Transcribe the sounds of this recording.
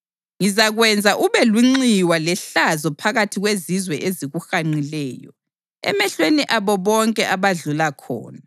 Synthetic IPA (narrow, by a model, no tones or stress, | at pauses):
ŋizaɣwɛnd͡zʱaʔuβɛluŋ͡ǀiwalɛɬazɔpʰaɣatʰiɣwezizwɛʔeziɣuxaŋ͡ǀilɛːjɔ̰ | ɛ̰mɛɬweniʔaβɔβɔŋkʼɛʔaβaɮulakʰɔ̰ːna